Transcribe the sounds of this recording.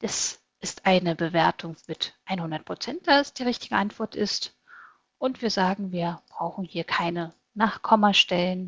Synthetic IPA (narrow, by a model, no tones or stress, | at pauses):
d̥as | ʔɪstʔaɪnəbəveːɐtʰʊŋmɪtʔaɪnhʊndɐt̚pʁ̥ot͡sɛnt̚d̥aɛsd̥iːʁɪçtɪɡəʔantv̥ɔɐtɪst | ʔʊntv̥iːɐzaːɡŋ̩viːɐb̥ʁaʊxn̩hiːɐkʰaɪnə | naːχkʰɔmɐʃtɛlən